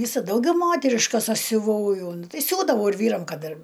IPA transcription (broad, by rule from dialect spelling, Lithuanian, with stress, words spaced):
ˈʋʲiːsɐ ˈdɐʊɡʲɛʊ ˈmoːtʲɛrʲɪʃkɐs ˈɐʃ sʲʊˈʋɐʊ ˈjoː ˈnʊ tɐɪ ˈsʲuːdɐʋɐʊ ɪr ˈʋʲiːrɐm ˈkɐt ɪr